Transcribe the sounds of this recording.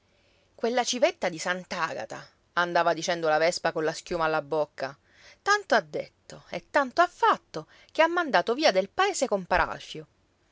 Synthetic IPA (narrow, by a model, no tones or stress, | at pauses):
kwelːat͡ʃivet̪ːad̪isant̪aɡa̰t̪a | and̪aːvad̪it͡ʃɛnd̪olavɛspakonlask̟juːmaːlːabokːa | t̪ant̪oad̪ːḛt̪ːoet̪ːant̪oafːat̪ːo | k̟eamːand̪aːt̪oviːad̪elpaeːsekompaɾa̰lfjo